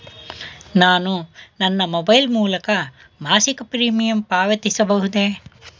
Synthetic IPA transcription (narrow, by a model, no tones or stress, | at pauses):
naːnunɐnːɐmobɐjlmuːlɐkɐ | maːsikɐpɾiːmijɐmpaːʋɐt̪isɐbɐɦud̪e